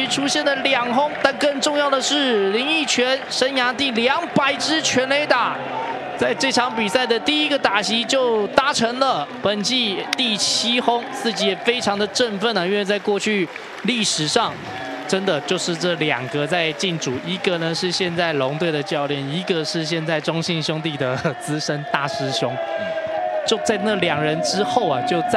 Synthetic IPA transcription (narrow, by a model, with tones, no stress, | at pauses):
y˧˥ʈ͡ʂʰu˥ɕjɛ˥˩nd̪ə˩ljɑ˨˩ŋɦʊ˥ŋt̪a˥˧nkə˥˧nʈ͡ʂʊ˥˧ŋjɑ˥˩ʊd̪ə˩ʂɻ̩˥˩li˧˥ŋi˥˩t͡ɕʰɥɛ˧˥nʂə˧˥nja˧˥t̪i˥˩ljɑ˧˥ŋpa˨˩ɪʈ͡ʂɻ̩˥t͡ɕʰɥɛ˧˥nle˧˥ɪt̪a˨˩ | t͡sa˥˧ɪʈ͡ʂɤ˥˩ʈ͡ʂʰɑ˧˥ŋpi˨˩sa˥˩ɪd̪ə˨t̪i˥˩i˧˥ɡə˨t̪a˨˩ɕi˧˥t͡ɕjo˥˩ʊt̪a˧˥ʈ͡ʂʰə˧˥nlə˨pə˨˩nt͡ɕi˥˧t̪i˥˩t͡ɕʰi˥xʊ˥ŋt͡sɹ̩˥˩t͡ɕi˧˥jɛ˨˩fe˥ɪʈ͡ʂʰɑ˧˥ŋd̪ə˨ʈ͡ʂə˥˧nfə˥˩nə˩i˥nwe˥˧t͡sa˥˧ɪkwɔ˥˧t͡ɕʰy˥˧ | li˥˩ʂɻ̩˨˩ʂɑ˥˩ŋ | ʈ͡ʂə˦nd̪ə˨t͡ɕjo˥˧ʊʂɻ̩˥˧ʈ͡ʂɤ˥˩ljɑ̰˨˩ŋɡə˦t͡sa˥˧ɪt͡ɕi˥˩nʈ͡ʂu˨˩i˧˥ɡə˨nə˨ʂɻ̩˥˧ɕjɛ˥˧nt͡sa˥˩ɪlʊ˧˥ŋt̪we˥˩ɪd̪ə˩t͡ɕjɑ˥˧ʊljɛ˥˩ni˧˥ɡə˧ʂɻ̩˥˧ɕ̬jɛ˥˧nt͡sa˥˩ɪʈ͡ʂʊ˥ŋɕi˥˧nɕjʊ˥ŋt̪i˥˩d̪ə˩t͡sɹ̩˥ʂə˥nt̪a˥˩ʂɻ̩˥ɕjʊ˥ŋ | t͡ɕjo˥˧ʊt͡sa˥˧ɪna˥˩ljɑ˨˩ŋɻə˧˦˥nʈ͡ʂɻ̩˥xo˥˩ʊɐ˩t͡ɕjo˥˧ʊt͡s